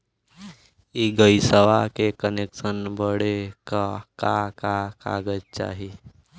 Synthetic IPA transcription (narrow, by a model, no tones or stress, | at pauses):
iɡəisəʋakekəneksənbəɽekakakaka̰ɡətt͡ʃa̰ːɦi